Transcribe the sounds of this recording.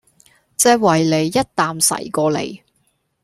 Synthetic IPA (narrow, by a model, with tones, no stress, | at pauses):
t͡sɛː˧k̚wɐ˨˩jle˨˧jːɐ˥t̚t̪aː˨msɐ̰˨˩jkɔː˧lḛ˨˧j